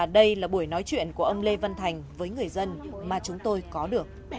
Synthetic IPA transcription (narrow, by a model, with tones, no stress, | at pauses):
ɗə˧jlaː˨˩ɓu˧˩əjnɔ˨˦jt͡ɕwḭ˧˨ənku˧˩ʔə˧wŋ͡mle˧və˧nt̪ʰa˨˩jŋ̟vəː˨˦jŋɨ˨˩əjzə˧nmaː˨˩t͡ɕʊ˨˦ŋ͡mt̪o˧jkɔ˨˦ɗɨ˨˩ək